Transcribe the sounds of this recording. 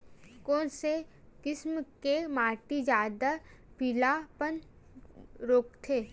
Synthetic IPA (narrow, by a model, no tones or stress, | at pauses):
koːnse | kɪsmkemaːʈid͡ʒaːd̪apilapən | ɾoːkt̪ʰeː